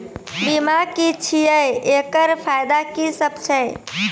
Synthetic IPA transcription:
bimakit͡ʃʰijəjekəɾpʰajd̪akisəbt͡ʃʰəj

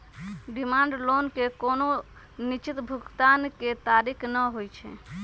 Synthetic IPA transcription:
ɖimãɳɖlonkekono | nit͡ʃit̪bʱʊkt̪anket̪aɾikʰnəɦojt͡ʃʰḛ

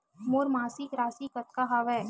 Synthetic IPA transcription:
moːɾmaːsikɾaːsikɐt̪̚kaɦaʋɛː

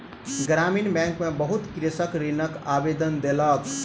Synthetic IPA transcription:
ɡɾaminbɛ̃ŋkmẽbəɦut̪kɾisəkɾinəkabed̪ənd̪elək

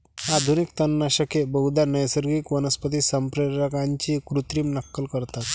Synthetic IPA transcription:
ad̪ʱunik̚t̪ənːaɕəkebəɦud̪ʱanəjsəɾɡikʋənəspət̪iːsəmpɾəɾəkãɲt͡ɕiːkɾut̪ɾiːmnəkːəlkəɾt̪at̪

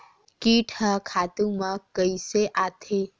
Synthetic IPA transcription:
kiʈʰhəkʰat̪uməkːəjseʔat̪ʰe

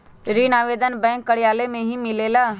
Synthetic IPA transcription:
ɾiːnaːʋeːd̪ənbɛ̃ːŋkːəɽjaːlemẽɦimɪleːlaː

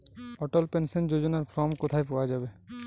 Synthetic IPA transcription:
ɔʈɔlpensɔnd͡ʑod͡ʑonaɾpʰɾɔmkot̪ʰajpɔwad͡ʑabe

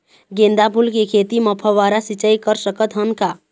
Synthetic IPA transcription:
ɡẽːnd̪abʱʊlkekʰeːt̪iməpʰəʋaːɾasɪt͡ʃəikəɾsəkət̪ɦənkaː

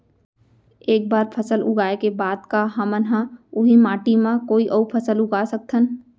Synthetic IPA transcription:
eːk̚baːɾpʰəsəlʊ̰ɡaːekebaːd̪kaɦəmənɦãʊɦimaːʈimãkoːiʔəupʰəsəlʊɡasək̚t̪ʰən

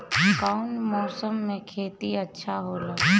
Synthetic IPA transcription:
kaːʊɳnmɔːsəmːẽkʰeːt̪iɐtːʃʰaɦoːlaː

